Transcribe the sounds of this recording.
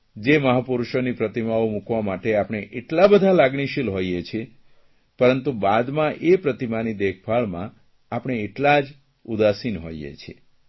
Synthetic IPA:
d͡ʒeməɦapuɾuʃonipɾət̪imaomukʋamaʈeapɳ̃eʔeʈlabəd̪ʱalaɡɳ̃iʃilɦojet͡ʃʰie | pəɾənt̪ubad̪mãʔepɾət̪imanid̪ekʰpaɭmã̰ | apəɳ̃eːʈlad͡ʒ | ud̪asinɦo̰jjḛt͡ʃʰie

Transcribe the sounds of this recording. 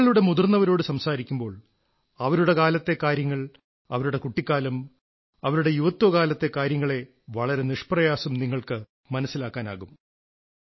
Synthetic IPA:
ɐɭuɽe̞muðurnːɐʋɐɾo̞ːɽɨsɐmsaːɾikʲːumbo̞ːɭ | ɐʋɐɾuɽe̞kaːlɐt̪ːe̞kaːɾjɐŋːɐɭ | ɐʋɐɾuɽe̞kuʈːikʲːaːlum | ɐʋɐɾuɽe̞juʋɐt̪ːoːkaːlɐt̪ːe̞kaːɾjɐŋːɐɭe̞ | ʋɐɭɐɾe̞niʂprɐjaːsɐmniŋːɐɭkɨ | mɐnɐsːilaːkːaːna̰ːɣum

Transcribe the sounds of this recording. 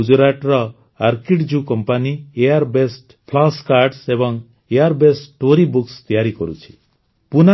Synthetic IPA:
ud͡ʒuɾaʈɾɔ | aɾkiʈd͡ʒukɔmpaniejaɾbesʈ | pʰlaskaɾɖsebɔŋ | ejaɾbesʈʈoɾibukst̪ijaɾikɔɾṵt͡ʃʰi̥ | puna

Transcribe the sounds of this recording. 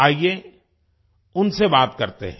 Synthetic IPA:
aːie | ʊnsebaːt̪kɐɾt̪ḛɦɛ̃

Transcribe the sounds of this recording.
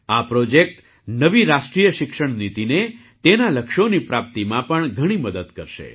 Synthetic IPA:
apɾod͡ʒek̚ʈ | nəʋiɾaʃʈɾijəʃɪkʃəɳ̃nit̪ine | t̪enaləkʃonipɾap̚t̪imãpəɳɡʱəɽ̃iməd̪əd̪kəɾʃḛ

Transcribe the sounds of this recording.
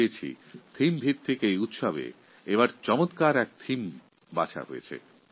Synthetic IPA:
et͡ɕʰḭ | t̪ʰimbʱid̪̚t̪ʰekeejut̪ʃabḛ | eβaɾt͡ɕɔmot̪kaɾɛk̚t̪ʰim | bat͡ɕʰa̰ɦo̰jet͡ɕʰḛ

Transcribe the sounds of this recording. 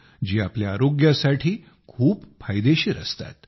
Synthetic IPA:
d͡ʑiːapljaːɾoɡjasaʈʰiː | kʰuːpfajd̪eɕiːɾə̰st̪a̰t̪

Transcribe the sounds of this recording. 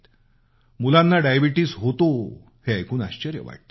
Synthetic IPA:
t̪ | mulãnːaɖajbiʈiːsɦot̪o | heajkʰuːnaɕt͡ɕəɾjə̰ʋa̰ʈ̚t̪

